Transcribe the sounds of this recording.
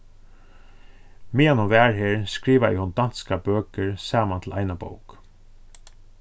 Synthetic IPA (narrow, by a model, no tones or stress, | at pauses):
miːanɔʋæːɹɦeːɹskɹiːʋaɪ̰hɔnd̪an̥skabøːkəɹsaːmant̪ʰl̩ʔaɪjnabo̰wk